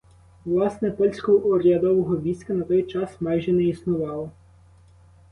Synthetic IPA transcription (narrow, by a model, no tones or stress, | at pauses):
ʋlˠɑsnɛpɔlʲsʲkɔɦɔːɾʲɐd̪ɔʋɔɦɔʋʲisʲkɐnɐt̪ɔjt͡ʃɑsmɑjʒɛnɛisnʊʋɑlˠɔ